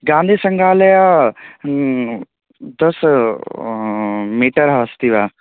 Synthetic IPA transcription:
ɡãːnd̪ʱiːsəŋɡʱaːlɐja | d̪ɐs | miːʈəɾɦɐəst̪iʋaː

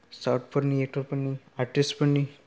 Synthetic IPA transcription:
saʈ̚pəɾniek̚ʈəɾpəɳːi | aɾʈisʈpəɳːi

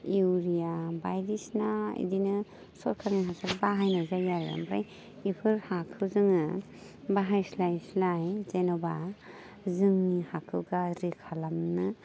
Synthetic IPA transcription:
iwɾijabajɾisnaḭdinɯ | sɔɾkʰaŋiɦasaɾbaɦajnazajaɾja̰mpɾa̰j | ipʰɯɾhakʰɯwzɯŋɯ | baɦajslajslajzenɔba | zɯŋihakʰɯwɡaɾikʰalamnɯ

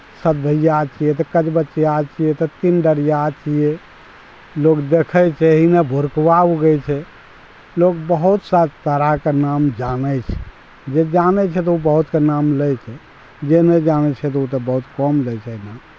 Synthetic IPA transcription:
səd̪ʱəjat͡ʃʰijɛt̪ɔkət͡ʃbətːt͡ʃijat͡ʃʰijɛt̪ɔt̪inɖəɽijat͡ʃʰije | lokd̪ekʰɛt͡ʃʰɛɦinabʱuɾkʋauɡəjt͡ʃʰɛ | lokbəɦut̪sat͡ʃt̪əɾakenamd͡ʒanɛt͡ʃʰɛ̥ | d͡ʒed͡ʒanɛt͡ʃʰɛt̪̬ɔubəɦut̪kenamləjt͡ʃʰɛ | d͡ʒenɛd͡ʒanɛt͡ʃʰɛt̪̬ɔut̪ɔbəɦut̪kɔmləjt͡ʃʰɛɦina

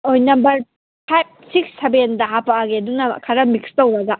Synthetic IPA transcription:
ojnɐmbɐɾ | pʰajb̚siksːebendɐɦapaːɡeɐdunɐkʰɐɾɐmikstɐwɾɐɡɐ

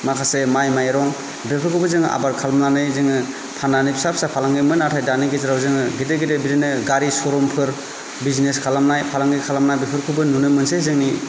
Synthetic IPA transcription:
makʰasemajmajɾɔŋ | bepʰɯɾkʰɯbɯzɯŋʔa̰baɾkʰalamnanɯjzɯŋɯ | pʰanːanɯjbʰi̥sap̚ʰsapʰalaŋɡɯmɯnatʰajdanɯɡezɯɾawzɯŋɯɡideɡidebiɾenɯɡaɾisɔɾɔmpʰɯɾ | bizneskʰalamnajpʰalaŋɡɯkʰalamnajbepʰɯɾkʰɯbɯnunɯmɯnsezɯŋni

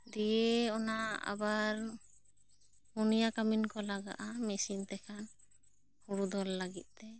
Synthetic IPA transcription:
d̪ijeɔnaa̰baɾ | hunijakaminkɔlaɡa̰ʔamɛsint̪ɛkʰan | huɽud̪ɔlːaɡit̪̚ˀt̪ɛ

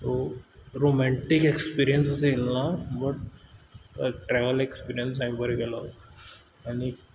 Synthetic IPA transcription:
t̪oɾomɛɳʈikekspiɾijənsəseelnabəʈ̚ | ʈɾɛʋəlekspiɾijəns̬amibəɾekela | ani

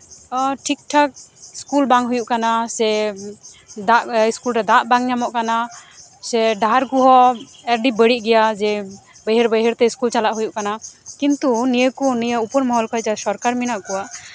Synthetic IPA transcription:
ʈʰik̚ʈʰak̚skulbaŋɦujuʔkanasɛ | d̪aʔiskulɾɛd̪aʔbaŋɲamɔʔkana | sɛɖaɾɡuɦɔ | ɛɾɖibəɽiʔ̚ˀɡɛjad͡ʒɛ | bəjɦəɾbəjɦəɾt̪ɛiskult͡ʃalaʔɦujuʔkanakint̪unijəkunijəupɔɾmɔɦɔlkʰɔjd͡ʒasɔɾkaɾminaʔkɔwaʔ

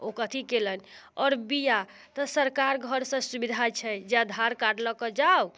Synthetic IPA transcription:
okət̪ʰikelənɔɾbija | t̪ɔsəɾkaɾɡʱəɾsə̃subid̪ʱat͡ʃʰɛd͡ʒad̪ʱaɾkaɖləkəd͡ʒaw

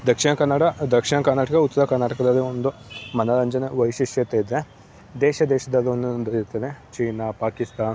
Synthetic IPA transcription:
d̪ɐkʂiɳɐkɐnːɐɽɐd̪ɐkʂiɳɐkɐɾnːaːʈɐkɐut̪ːsɐɾɐkɐɾnːaːʈɐkɐd̪ɐlːiond̪umɐnɐlɐɲd͡ʒɐneʋɐʋiʃiʂjɐt̪eid̪e | d̪ɛːʃɐd̪ɛːʃɐd̪ɐlːiond̪und̪ɐiɾt̪ːɐd̪et͡ʃiːnɐpaːkist̪aːn

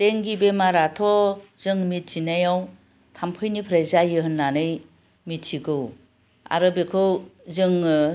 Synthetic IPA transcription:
teŋɡibemaɾatʰɔzɯŋmit̚z̥inajaw | tʰampʰɯjnipʰɾezajɯɦɯnːanɯj | mitt͡ʃiɡɯw | a̰ɾɯbekʰɯwzɯŋ

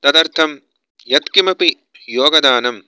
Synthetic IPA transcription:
t̪ɐd̪ɐɾt̪ʰɐm | jɐt̪kimɐpi | joːɡɐd̪aːnɐm

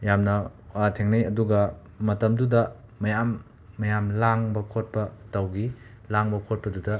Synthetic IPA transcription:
jamnɐatʰeŋnɐjɐduɡɐ | mɐtɐmdudɐ | mɐjamː | ɐjamlaŋbɐkʰot̚pɐtɐwɡi | laŋbɐkʰot̚pɐdudɐ

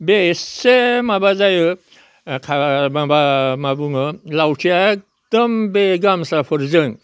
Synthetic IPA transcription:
besemabazajə | kʰamabamabuŋəlawt͡ʃʰiak̚ | t̪əmbeɡamsafʰəɾzəŋ

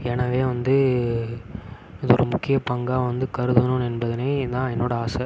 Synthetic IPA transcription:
ɛnɐʋeːʋɐnd̪ɯ | ɐðɔɾɯmʊkːɪjɐpɐŋɡaːʋɐnd̪ɯkɐɾɯðɯnʊ̃ɛnbɐðɐneːd̪ãːɛnːoːɽɐaːsɐ

